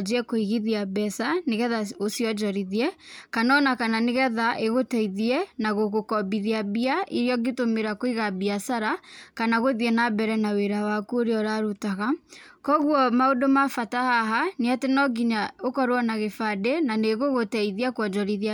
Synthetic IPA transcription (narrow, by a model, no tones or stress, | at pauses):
d͡ʒɛkoiɣiðiabɛsaneɣɛðaosiɔd͡ʒɔɾiðiɛkanɔnakananeɣɛðaʔeɣotɛiðiɛnaɣoɣokɔbiðiabiaiɾiɔɡetomeɾakoiɣabiasaɾakanaɣoðiɛnabɛɾɛnaweɾawakoɾeɔɾaɾutaɣakɔɣwɔmaodomafatahaɦaneatenɔɡiɲaokɔɾwɔnaɣefadenaneɣoɣotɛiðiakwɔd͡ʒɔɾiðia